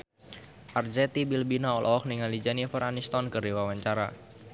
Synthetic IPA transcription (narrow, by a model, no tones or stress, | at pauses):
ʔard͡ʒɛt̪ibilbinaɔlʔɔɔk̚niŋalid͡ʒaniafəɾʔanist̪ɔnkərdiwawaɲt͡ʃaɾa̰